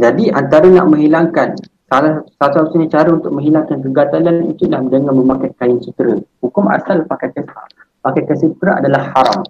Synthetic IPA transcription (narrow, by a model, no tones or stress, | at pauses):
d͡ʒadiʔant̪aɾəna̰ʔmə̃ŋɦilaŋkan | salasasausinit͡ʃaɾaunt̪ʊk̚mə̃ŋɦilaŋkankəɡat̪alannḭt̪uʔlahdəŋãnmə̃mãkajkajɪnt͡ʃut̪əɾəhukʊma̰salpakajkəsa̰ | pakajkasut̪ɾəʔa̰dalahːaɾa̰m